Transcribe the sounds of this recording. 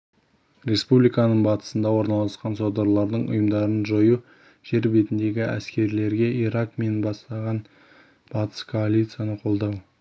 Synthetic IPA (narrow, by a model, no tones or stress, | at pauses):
ɾʲe̞spublijkɑnəɴbɑt̪ə̥sənd̪ɑwo̞ɾnɑlˠɑsqɑnso̞d̪ɑɾlˠɑɾd̪əɴʊ̰jəmd̪ɑɾənʒoju | ʒ̥e̞ɾbe̞t̪ɪnd̪e̞ɡʲɪæ̰skʲe̞ɾle̞ɾɡʲe̞iɾɑkme̞nbɑst̪ɑʁɑn | b̥ɑt̪ə̥skʰo̞alʲijt̪sɨjanəqʰo̞lˠd̪ɑw